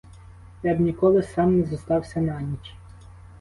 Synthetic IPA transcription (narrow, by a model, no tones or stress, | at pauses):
jɑbnʲikɔlˠɪsɑmnɛzɐst̪ɑwsʲɐnɑnʲit͡ʃʲ